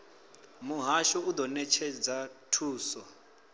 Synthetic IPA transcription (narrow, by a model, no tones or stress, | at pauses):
muɦaʃɔud̪ɔnɛt͡ʃʰɛd͡zatʰuːsɔ